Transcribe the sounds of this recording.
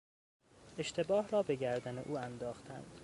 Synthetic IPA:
eʃt̪ʰe̞bɒːhɾɒːbe̞ɡæɾd̪æneʔuːænd̪ɒːxt̪ʰæ̰nd̪̥

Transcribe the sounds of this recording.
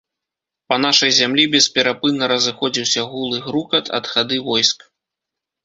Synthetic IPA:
pɐnaʂɐjzʲamlʲibʲɛspʲɛɾapɨnːɐɾɐzɨxɔd͡zʲiwsʲɐɣulˠɨɣɾukɐt̪ʰɐ̰d̪xad̪ɨvɔjsk

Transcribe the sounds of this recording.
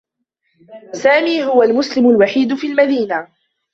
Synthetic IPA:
saːmiːɦʊwalmʊslɪmʊlwaħiːd̪ʊfiːlmad̪iːna

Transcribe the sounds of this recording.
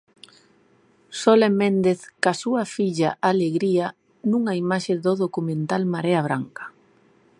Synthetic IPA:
solemẽnd̪eθkasuɐfiʎa̰ʔaleɣɾia | nũŋaimaʃeðoðokumẽnt̪almaɾeaβ̞ɾaŋkḁ

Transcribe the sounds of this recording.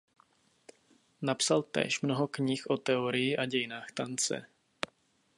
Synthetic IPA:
napsalt̪ɛ̰ːʃmnoɦokɲixʔot̪ɛoɾɪjiʔaɟɛjɪnaːxt̪ant͡sɛ̰

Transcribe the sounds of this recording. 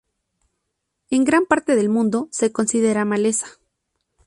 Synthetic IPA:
e̞ŋɡɾampaɾt̪e̞ðe̞lmũnd̪o̞se̞ko̞nsiðe̞ɾamale̞sḁ

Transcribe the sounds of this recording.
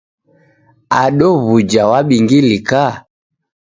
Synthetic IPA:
aɗɔβud͡ʒawaɓiŋɡilika

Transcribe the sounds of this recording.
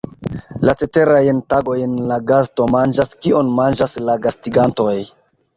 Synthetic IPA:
lat͡se̞te̞ɾajntaɡo̞jnlaɡasto̞mand͡ʒaskio̞nmand͡ʒaslaɡastiɡanto̞j

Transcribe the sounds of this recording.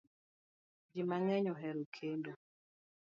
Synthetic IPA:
d͡ʒimaŋɛɲɔɦɛɾokʰendo

